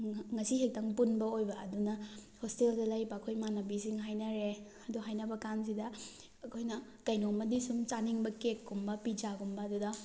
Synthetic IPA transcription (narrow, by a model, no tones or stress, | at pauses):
ŋɐsiɦek̚taŋpunbɐojbɐːdunɐhosteldɐlɐjbɐːkʰojmanɐbisiŋɦajnɐɾe | ɐduɦajnɐbɐkans̬idɐ | ɐkʰojnɐ | kɐjnomɐdisumt͡ʃaniŋbɐkekːumbɐpid͡ʒaɡumbɐːdudɐ